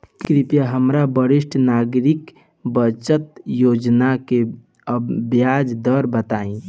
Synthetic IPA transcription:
kɾipjaɦəmɾabəɾiʃʈʰnaɡɾik | bət͡ʃət̪jod͡ʒnake | əbjad͡ʒd̪əɾbət̪aĩ

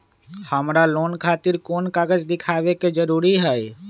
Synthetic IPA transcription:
həmɾaloːnkʰaːt̪ɪɾkoːnkaːɡəd͡ʒd̪ɪkʰaːʋeked͡ʒəɾuːɾiɦɛɛ

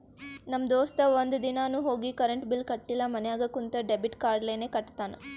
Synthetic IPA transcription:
nɐmd̪oːst̪ɐʋond̪ud̪inaːnuːɦo̞ːɡikɐɾɐɳʈbilkɐʈːilːɐmɐnɛjaːɡɐkːunt̪ɐɖebiʈkaːɾɖleːneːkɐʈːt̪aːnɐ

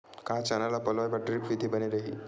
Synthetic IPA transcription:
kat͡ɕanalapəlajbaʈɾipʋid̪ʱibəneɾəɦi

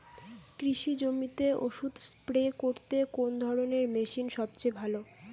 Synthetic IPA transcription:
kɾiʃid͡ʑomit̪eoʃud̪ʱspɾekoɾt̪ekond̪ʱɔɾoneɾmeʃinʃɔb̚t͡ɕebʱalo

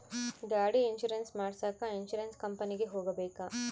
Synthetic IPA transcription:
ɡaːɽiinʃuɾensmaːɽsaːkɐinʃuɾɐnskɐmpɐniɡeɦoːɡɐbeːkɐ

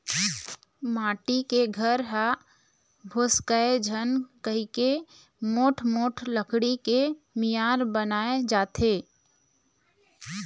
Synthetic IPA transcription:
maːʈikeɡʱəɾɦa | bʱoːskəed͡ʒʱənkəɦike | moːʈʰmoːʈʰləkʰɽike | mijaːɾbənaːed͡ʒaːt̪ʰeː

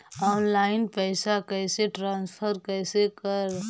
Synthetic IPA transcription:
ɔːnlaːɪnpɛːsakɛːseʈɾãːnspʰəɾkɛːsekəɾ

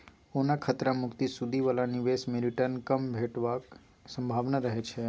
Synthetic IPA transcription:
onakʰət̪ɾamʊkt̪isud̪ʱiʋəlaniʋesmeɾiʈənkəmbʱeʈʋa | sə̃mbʱaʋnəɾəɦet͡ʃʰe

